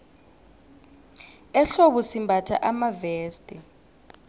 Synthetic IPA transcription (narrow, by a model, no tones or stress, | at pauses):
ɛɬoɓusimbʱatʰa̰ʔamaveːstʼɛ